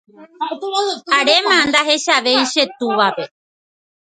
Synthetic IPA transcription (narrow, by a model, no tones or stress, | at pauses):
aɽemãnd̪aɦeʃaʋejʃet̪uʋape